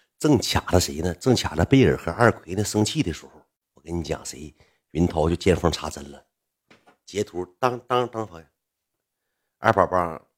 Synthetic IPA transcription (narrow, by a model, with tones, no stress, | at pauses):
ʈ͡ʂɤ˥˩ŋt͡ɕʰja̰˨˩d̪ə˦ʂe˧˥ɪnə˧ʈ͡ʂɤ˥˩ŋt͡ɕʰja̰˨˩d̪ə˦pe˥˩ɪə̰˞˨˩xɤ˧˥a˞˥˩kʰwe˧˥ɪd̪ə˧sɤ˥ŋt͡ɕʰi˥˩d̪ə˩ʂɻ̩˧˥xo˧˩ʊ | wɔ˨˩kə˥ni˧˥t͡ɕjɑ̰˨˩ŋse˧˥ɪ | ɥi˧˥nt̪ʰɑ˧˥ʊt͡ɕjo˥˧ʊt͡ɕjɛ˥˧nfɑ˥˩ŋʈ͡ʂʰa˧˥t͡sə˧˥nlə˨ | t͡ɕjɛ˧˥t̪ʰu˧˥t̪ɑ˥ŋt̪ɑ˥ŋt̪ɑ˥ŋfɑ˧˥ŋ˧˥ | a̰˞˥˧˩pa˨˩pa˥